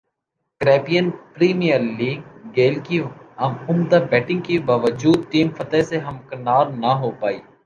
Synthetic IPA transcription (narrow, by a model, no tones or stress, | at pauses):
kɾɛːpijənpɾiːmijəɾliːɡ̚ɡeːlkiɐʊmd̪abɛːʈɪ̃ŋɡkibaːʋəd͡ʒuːd̪̚ʈiːmfɐt̪ɛseɦɐmkɐnaːɾnɐɦoːpaːḭː